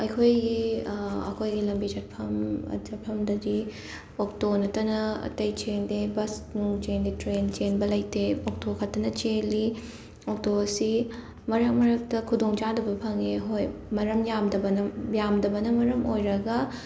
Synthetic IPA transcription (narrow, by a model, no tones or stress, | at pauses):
ɐjkʰojɡi | ɐ̰kʰojɡilɐmbid͡ʒɐpʰɐm̰d͡ʒɐpʰɐmdɐdi | oktonɐtɐnɐɐ̰tɐjt͡ʃendebɐsnuŋt͡ʃenditɾent͡ʃenbɐlɐjteok̚tokʰɐtːɐnɐt͡ʃeli | ok̚tosi | mɐɾɐk̚mɐɾɐk̚tɐkʰudoŋd͡ʒadɐbɐpʰɐŋeɦojmɐɾɐmjamdɐbɐnɐjamdɐbɐnɐmɐɾɐmojɾɐɡɐ